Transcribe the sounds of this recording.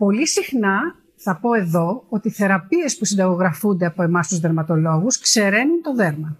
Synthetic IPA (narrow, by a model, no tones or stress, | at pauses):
po̞lisixnɐ | θɐpo̞e̞ðo̞ot̪iθe̞ɾɐpie̞spusind̪ɐɣo̞ɣɾɐfund̪e̞ɐpo̞e̞mɐst̪uzðe̞ɾmɐt̪o̞lo̞ɣuskse̞ɾe̞nunt̪o̞ðe̞ɾmɐ